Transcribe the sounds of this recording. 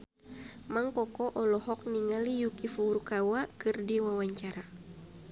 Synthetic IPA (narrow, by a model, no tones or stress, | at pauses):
maŋkɔkɔʔɔlɔhɔk̚niŋalijukifuuɾkawakɨrdiwawaɲt͡ʃaɾa